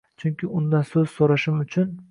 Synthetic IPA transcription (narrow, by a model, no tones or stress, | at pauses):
t͡ʃʰʊŋʲkʲʰɪʊnd̪ansɵz̥soɾaʃɪmʊt͡ʃʰʊn